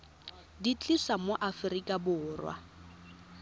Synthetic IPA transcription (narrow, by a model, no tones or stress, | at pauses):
dit͡ɬʼisamoʔafrikʼabʊːrwa̰